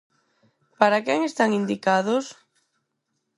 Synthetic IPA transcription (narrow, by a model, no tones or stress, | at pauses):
paɾakɛŋest̪aŋind̪ikaðʊs